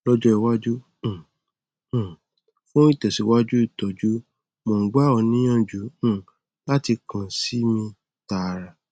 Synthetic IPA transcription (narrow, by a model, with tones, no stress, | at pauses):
lɔ˦d͡ʒɔ˦ɛ˧wa˦d͡ʒũ˦˨˦ | fũ˦i˦˨tɛ˨si˨˦wa˦d͡ʒu˦i˦˨tɔ˨d͡ʒu˦ | mõ˨˦ɡ͡ba˦ɔ˧nĩ˦j̃ã˦˨d͡ʒũ˨˦˨ | la˦ti˧kã˨si˨˦mĩ˧ | ta˧˨˧ɾa˧